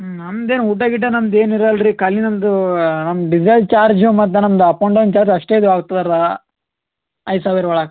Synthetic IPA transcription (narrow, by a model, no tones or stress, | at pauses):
nɐmd̪eːnuʈːɐɡiʈːɐnɐmd̪e̞ːniɾɐlɾikɐlinɐmd̪unɐmɖid͡ʒɐt͡ʃaːɾd͡ʒumɐt̪̬ːenɐmd̪uɐpɐwɳɖɐwnt͡ʃaːɾd͡ʒɐʂʈeːd̪uaːɡut̪ːad̪aɾa | ɐjsaːʋiɾʋɐɭɐk